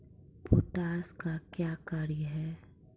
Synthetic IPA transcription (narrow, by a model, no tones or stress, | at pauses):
puʈaːskakjaːkaːɾjəɦɛː